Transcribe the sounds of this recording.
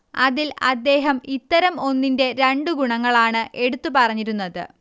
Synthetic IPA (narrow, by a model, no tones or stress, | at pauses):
ɐðilɐd̪ːe̞ːɦɐmit̪ːɐɾɐmo̞nːinde̞ɾeɳɖuɡuɳɐŋːɐɭaːɳɨʔe̞ɽut̪ːupɐrɐɲːiɾunːɐðɨ̰